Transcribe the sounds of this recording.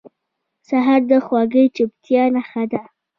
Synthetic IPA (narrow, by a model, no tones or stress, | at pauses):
saɦaɾd̪əxwɑɡəjt͡ʃɪbt̪jɑnaxad̪a